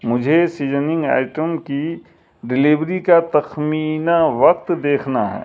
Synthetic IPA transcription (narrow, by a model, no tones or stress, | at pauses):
mʊd͡ʒʱesiːd͡ʒənɪ̃ŋɡa̰ːɪʈəmki | ɖɪliʋɾikat̪ɐxmiːnaʋɐq̚t̪d̪eːkʰnaɦɛ̰ː